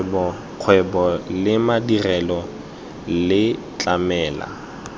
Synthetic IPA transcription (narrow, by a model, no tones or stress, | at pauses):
bɔ | q͡χʰwɛbɔlɪmadirɛlɔ | lɪ | t͡ɬʼamɛːla̰